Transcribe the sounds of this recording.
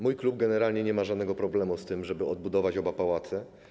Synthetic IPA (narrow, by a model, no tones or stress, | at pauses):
mujklub̚ɡɛnɛɾalɲɛɲɛmaʐad̪nɛɡɔpɾɔblɛmust̪ɘmʐɛbɘɔd̪̚bud̪ɔvat͡ɕɔbapawat̪sɘ